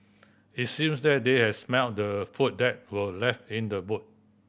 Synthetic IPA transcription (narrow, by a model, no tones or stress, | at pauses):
it̚sĩmsdɛt̚dehɛdsmɛlt̚dəfut̚dɛt̚wəlɛftĩndəbut̚